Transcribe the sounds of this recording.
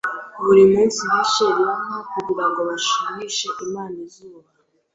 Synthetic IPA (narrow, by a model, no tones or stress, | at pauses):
βuɾimuːnsiiʃeɾiamakuɟiɾaŋɡo̞βaʃuɲiʃeʔimaːnizuːβa